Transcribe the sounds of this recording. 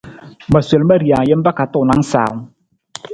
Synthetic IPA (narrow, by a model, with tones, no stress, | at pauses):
ma˨su˨˦lma˧˨ɾi˨a˨je˦mba˦ka˨˧˦t̪oː˧˨na˧˦ŋsa̰ː˨˦w